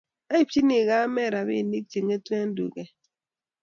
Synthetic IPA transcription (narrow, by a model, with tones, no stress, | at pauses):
a˦i˦t͡ʃi˦ni˨ɣa˦mɛ˦˨ɾa˨βḭ˦˨ni˦k̚t͡ʃi˨ŋe˦twɛ˦n˦dṵ˨ɡɛ˦